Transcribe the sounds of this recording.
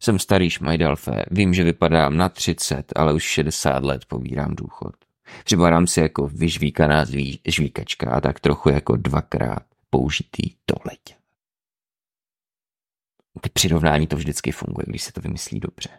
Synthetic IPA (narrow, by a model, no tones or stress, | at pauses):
sɛmst̪aɾiːʃmʔajdalfɛ̰ːviːmʒɛvɪpadaːmnat̪r̝̥ɪt͡sɛt̪a̰lɛuʃʃɛdɛsa̰ːt̪lɛt̪pobḭːɾaːmduːxo̞̰t̪ | pr̥ɪpaɾaːmsɪjako̞vɪʒviːkanaːziʒviːkat͡ʃka̰ʔa̰t̪akt̪ɾo̞xujako̞̰dvakɾa̰ːt̪̚ | po̞uʒɪt̪ʰḭːd̥olɛc | t̪ɛpr̥ɪɾo̞vnaːɲiːt̪ovʒdɪt͡skɪfṵŋɡṵjɛ̰ɡdɪʃsɛ̥t̪ovɪmɪslḭːdob̥r̝̥ɛ